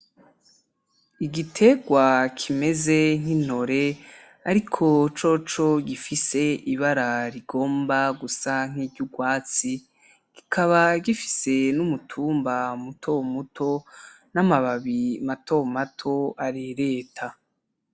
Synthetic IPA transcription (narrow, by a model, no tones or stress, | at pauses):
iɡitʰe̞ɡwakʰime̞ze̞ŋ̥in̥o̞ɾe̞ | aɾikʰo̞t͡ʃo̞t͡ʃo̞ɟifise̞iβaɾaɾiɡo̞ːmbaɡusaŋ̥iːɟuɡwaːt͡si | ɡ̥ikʰaβaɡifi̥se̞numutʰuːmbamutʰo̞mutʰo̞ | namaβaβimatʰo̞matʰo̞aɾiɾe̞ːtʰa